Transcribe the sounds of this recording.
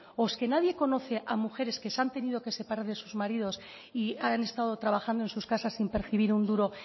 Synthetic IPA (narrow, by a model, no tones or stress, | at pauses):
oske̞naðje̞ko̞no̞θe̞ʔamuxe̞ɾe̞skesant̪e̞nið̞o̞ke̞se̞paɾaɾðe̞suzmaɾið̞o̞s | iane̞st̪aðo̞t̪ɾaβaxand̪oe̞nsuskasasːimpeɾθiβ̞iɾund̪uɾo̞